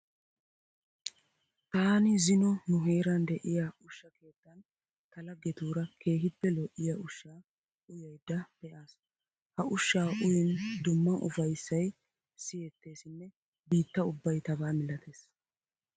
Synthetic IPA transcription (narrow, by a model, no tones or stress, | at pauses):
t̪aːnɪzɪnɔnʊɦe̞ːɾɐnd̪ɛʔɪjaʊʃːɐke̞ːt̪ːɐn | t̪ɐlɐɡɛt̪uːɾɐkʰe̞ːɦɪpːɛlɔʔːɪjɐʔʊʃːaː | ʔʊjɐjd̪ːɐb̥ɛʔaːs | hɐʔʊʃːaːʔʊjɪnd̪ʊmːɐʔʊfɐjsːɐj | sɪjɛt̪ːe̞ːsɪnːɛ | biːt̪ːɐʊbːɐjt̪ɐbaːmɪlɐt̪e̞ːs